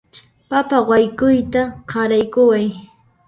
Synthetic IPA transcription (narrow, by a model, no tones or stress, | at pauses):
papawajkʊjt̪aqɑɾajkʊwaj